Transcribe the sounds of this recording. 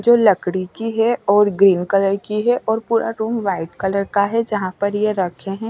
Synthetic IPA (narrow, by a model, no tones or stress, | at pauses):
d͡ʒoːlɐkɽit͡ʃiɦɛɔːɾɡɾiːnkɐləɾkiɦɛʔɔːɾpuːɾʔa̰ɾuːmʋaːɪʈkɐləɾkaɦɛd͡ʒɐɦãpɐɾjeɾɐkʰeɦɛ̃ː